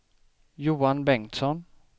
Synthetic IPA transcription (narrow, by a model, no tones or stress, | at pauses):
juːanbɛŋt̪sɔn